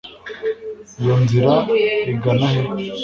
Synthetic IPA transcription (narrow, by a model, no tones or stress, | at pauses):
jonziɾaiɡanahe